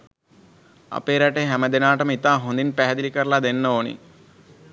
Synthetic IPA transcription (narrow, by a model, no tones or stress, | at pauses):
ɐ̰peːɾaʈeɦɛmɐd̪enaːʈɐmit̪aːɦond̪inpɛɦɐd̪ilikɐɾlad̪enːɐoːnḭ